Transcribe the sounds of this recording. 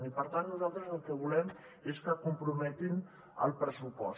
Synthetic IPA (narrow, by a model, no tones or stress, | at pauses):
nipəɾt̪annuzalˠt̪ɾəzəlˠkəβulɛm | eskəkumpɾumɛt̪in | ə̰lˠpɾəsupɔ̰s